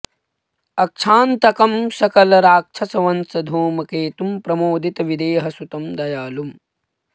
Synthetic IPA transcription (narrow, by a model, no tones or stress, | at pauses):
ɐk̚t͡ʃʰaːnt̪ɐkɐmsɐkɐlɐɾaːk̚t͡ʃʰɐsɐʋɐnsɐd̪ʱoːmɐkeːt̪umpɾɐmoːd̪ʱit̪ɐʋid̪eːɦɐsut̪ɐmd̪ɐjaːlum